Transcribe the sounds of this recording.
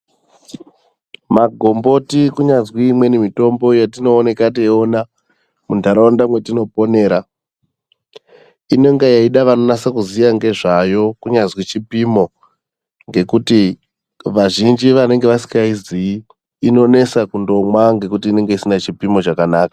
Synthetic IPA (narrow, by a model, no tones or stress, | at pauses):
maɡʱo̞mbo̞tikuɲazwiːmwe̞nemito̞mbo̞jatino̞ːne̞kat̬ieona | mundʱaɾawandamwe̞tino̞po̞ne̞ːɾa | ine̞ŋɡejaiɗaʋano̞nasakuzijaŋɡe̞ʐajo̞kuɲazwit͡ʃipimo̞ | ŋɡe̞kuti | ʋaʒind͡ʒiʋane̞ŋɡe̞ʋasi̥kaiziː | no̞ne̞sakundo̞mwaŋɡe̞kutiːne̞ŋɡe̞isinat͡ʃipimo̞t͡ʃakanaːkḁ